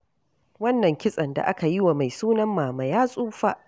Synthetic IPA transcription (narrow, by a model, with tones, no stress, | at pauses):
wɐ˦nːɐ˨ŋkʲɪ˦sʼɐ˨nda̰˨ʔa˦ka˨jɪ˦wa˨ma˨jsuː˦nɐ˦mːaː˨ma˨jaː˦sʼuː˦ɸaː˦ʔ